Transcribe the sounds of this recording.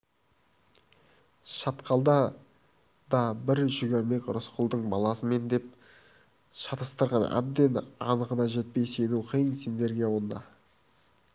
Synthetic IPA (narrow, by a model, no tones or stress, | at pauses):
ʃɑt̪qʰɑlˠd̪ɑ | d̪ɑbɪɾʒʏɡʲeɾme̞kʲɾʊsqʰʊlˠd̪əɴbɑlˠɑsəme̞nd̪e̞p̚ | ʃɑt̪əst̪əɾʁɑnæ̰b̚d̪e̞nɑ̰nəʁənɑʒe̞t̪̚pe̞jse̞nuqʰijənsend̪e̞ɾɡʲijwond̪ɑ̰